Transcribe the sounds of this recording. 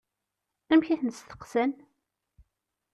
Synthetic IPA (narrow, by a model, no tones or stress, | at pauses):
æmçæθnst̪ə̥qsən